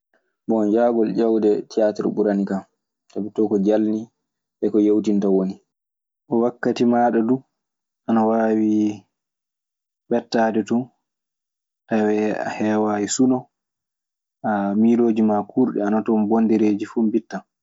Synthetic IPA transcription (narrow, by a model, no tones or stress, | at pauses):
bɔnd͡ʒaɡɔld͡ʒawdɛtijatɛɾbuɾanikam | tabɛtɔkɔd͡ʒalni | ɓɛkɔjewtintawoni | ʔɔwakːatimaːɗɔdu | ʔanawaːwi | ɓɛtːaːdɛtu | tawɛɛ̰hɛːwajisunɔ | ʔamiloːd͡ʒimakʰuːɾɗɛ̰anatɔmbondɛɾeːd͡ʒifumbitːa